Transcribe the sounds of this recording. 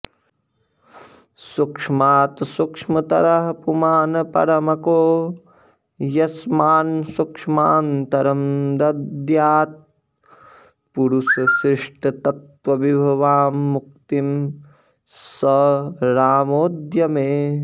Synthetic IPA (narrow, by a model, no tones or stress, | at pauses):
sukʂmaːt̪sukʂmɐt̪ɐɾɐɦɐpumaːnɐpɐ̰ɾɐmɐkoː | jɐsmaːnsukʂmaːnt̪ɐɾɐmd̪ɐd̪jaːt̪̚ | puɾusɐsɾɪʂʈɐt̪ɐt̪ʋɐʋibʱɐʋaːmːuk̚t̪im | sɐɾaːmoːd̪jɐmeː